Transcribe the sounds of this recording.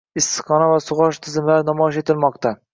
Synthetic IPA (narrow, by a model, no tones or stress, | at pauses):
ɪsːɨ̥qɑnavasʊʁɑʃt̪ʰɪzɪmlaɾnɒmɒʃet̪ʰɪlˠmɑqt̪ʰa